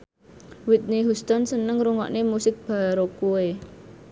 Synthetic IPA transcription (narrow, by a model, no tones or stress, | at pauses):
wɪt̪̚niɦust̪ansənəŋɾuŋɔ̰ʔnemusɪk̚b̥a̤ɾokue